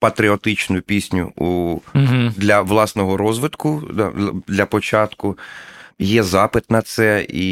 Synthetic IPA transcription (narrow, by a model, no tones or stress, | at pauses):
pɐt̪ɾʲɪɔt̪ɪt͡ʃnʊjʊpʲisʲnʲʊ̰uɦd̪lʲɐʋlˠɑsnɔɦɔɾɔzʋɪt̪kʊd̪̰d̪lʲɐpɔt͡ʃɑt̪kʊ | jɛzɑpɪt̪nɐt̪sɛi